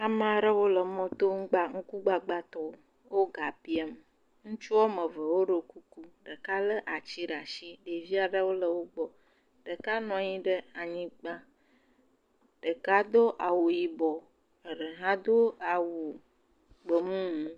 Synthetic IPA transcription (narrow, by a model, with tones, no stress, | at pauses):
a˨m˦˨a˨ɖə˦wo˦lə˨mɔ̃˦t̪o˦ŋ̩˦ɡ͡ba˦ŋ̩˦ku˦ɡ͡ba˦ɡ͡ba˦t̪ɔ˨˦ | wo˦ɡa˨pi˦a˦m˨ | ŋũ˦t͡ʃu˦ɔ˦mə˨və˨wo˦ɖə˨ku˦ku˦ɖə˨ka˦lə˦ʔa˨t͡ɕi˦ɖa˨ʃi˦ɖe˨vi˦a˨ɖə˦wo˦lə˨wo˦ɡ͡bɔ˨ | ɖ̥ə˨ka˦nɔ̃˨ɲĩ˦ɖə˦a˨ɲĩ˦ɡ͡ba˦ | ɖ̥ə˨ka˦d̪o˦ʔa˨wo˨ji˨bɔ˨ | ə˨ɖə˨ɦã˦d̪o˦a˨wu˨ | ɡ͡bə˨mũ˦ŋũ˨˦